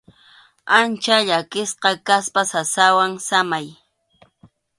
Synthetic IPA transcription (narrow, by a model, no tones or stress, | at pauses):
ant͡ʃaʎakɪsqɑkaspasasawaŋsamaj